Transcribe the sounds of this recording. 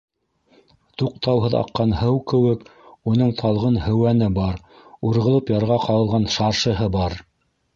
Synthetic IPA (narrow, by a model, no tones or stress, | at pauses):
t̪uq̚t̪ʰɑwɦɤðɑ̰qːɑnhɤwkɘ̆wɘkunɤɴt̪ʰɑlˠʁɤnhɘ̆wænɘbɑɾ | uɾʁɤ̆lˠɤpjɑɾʁɑqɑɤ̆lˠʁɑnʃɑɾʃɤ̆ɦɤbɑɾ